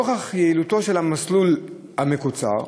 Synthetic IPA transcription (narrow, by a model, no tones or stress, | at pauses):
oχaχjeilut̪o̞ʃe̞lhamaslul | hamekut͡sa̰ʁ